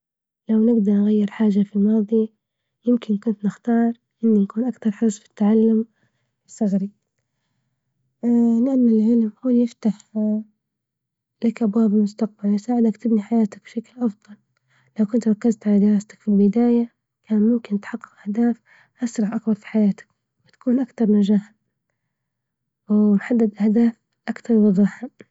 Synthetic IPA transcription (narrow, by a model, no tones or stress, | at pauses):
lawnɪɡd̪ɑɾˤnɣajːɪɾħaːʒafilmɑːðˤi | jɪmkɪnkʊnt̪nɪxt̪ɑːɾˤ | ʔɪnːinakuːnʔakt̪ɑɾˤħɑsfɪ̥t̪ːaʕalːʊm | ɪsˤːɑɣɾi | lɪʔanːɪlʕɪlmhuːljɪft̪aħ | lakʔabwaːbɪlmʊst̪aq̚balwɪsaːʕɪd̪akt̪ɪbniħajaːt̪ak̚b̥ʃaklʔɑfd̪ˤɑl | lawkʊnt̪ɾˤɑkːazt̪ʕalad̪ɪɾˤɑːst̪ḁkfilbɪd̪aːja | kʰaːnmʊmkɪnt̪ħɑqːɪ̥qʔahd̪aːf | ʔɑsɾˤɑʕʔakbɑɾˤfi̥ħajaːt̪ḁk | wɪt̪ḁkuːnʔakt̪ɑɾˤmɪnʒahan | wmħad̪ːad̪ʔahd̪aːf | ʔakt̪ɑɾˤnɑd̪ˤɑħa